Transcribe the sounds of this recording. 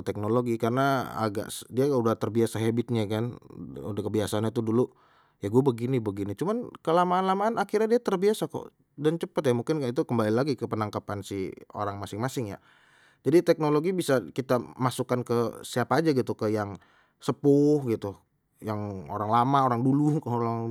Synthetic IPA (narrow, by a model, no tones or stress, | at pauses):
t̪ɛk̚noloɡikarəna̰ːɡa̰ʔdiaɡaudaht̪ərbiasaɦebɪt̪̚ɲakanṵdakəbiasaanɲat̪̬udulu | jaɡuabəɡinibəɡinit͡ʃumankəlamaːnlamaːnakirɲadiat̪ərbiasakɔ̰ʔ | dant͡ʃəpət̪jamuŋkɪnit̪ukəmbalilaɡikəpənaŋkapansḭo̰ɾaŋmasɪŋmasɪŋja̰ | d͡ʒadit̪ɛk̚noloɡibisakit̪amasukankəsiapaːd͡ʒaɡit̪ukəjaŋ | səpʊhɡit̪u | jaŋo̰ɾaŋlamaoɾaŋdulukoɾaŋ